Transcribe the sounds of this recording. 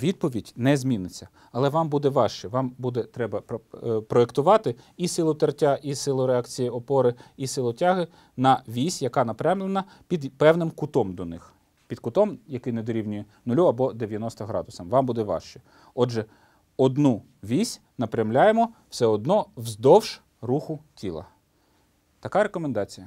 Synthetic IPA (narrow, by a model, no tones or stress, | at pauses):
ʋʲid̪̚pɔʋʲidʲnɛzʲmʲinɪt͡sʲːɐ | ɐlˠɛʋɑmbud̪ɛʋɑʃt͡ʃɛʋɑmbud̪ɛt̪ɾɛbɐpɾɔekt̪ʊʋɑt̪ɪisɪlˠʊt̪ɐrtʲaʔisɪlˠʊɾeɑkt͡sʲijiɔpɔɾɪisɪlˠʊtʲɑɦɪ | nɐʋʲisʲjɐkɑnɐpɾʲɛmlˠenɐ | pʲid̪pɛwnɪmkʊt̪ɔmd̪ɔnɪx | pʲid̪kʊt̪ɔmjɐkɪjnɛd̪ɔɾʲiwnʲʊjɛ | nʊlʲuɐbɔd̪eʋjɐnɔst̪ɐɦɾɑ̰d̪ʊsɐmʋɑmbud̪ɛʋɑ̰ʃt͡ʃɛ | ɔʒɛ | ɔd̪nu | ʋʲisʲ | nɐpɾʲjɐmlʲajemɔwsɛɔd̪̚nɔwzd̪ɔwʃ | ruxʊtʲilˠɐ̰ | t̪ɐkɑɾekɔmend̪ɑt͡sʲijɐ